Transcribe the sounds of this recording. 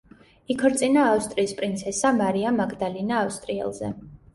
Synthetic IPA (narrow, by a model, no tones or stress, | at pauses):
ikʰɾt̪sʼinaːfst̪ʼɾiːspʼɾint̪sʰɛsamaɾiamaɡd̪alinaːfst̪ʼɾiɛ̰lˠzɛ̰